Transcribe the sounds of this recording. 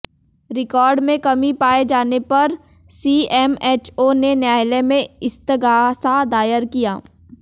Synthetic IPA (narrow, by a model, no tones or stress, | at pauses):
ɾɪkɔːɾɖmẽkɐmipaːed͡ʒaːnepɐɾ | siːɛːmɛːt͡ʃoːnenjaːjɪlemẽɪst̪əɡaːsad̪aːjəɾkija̰ː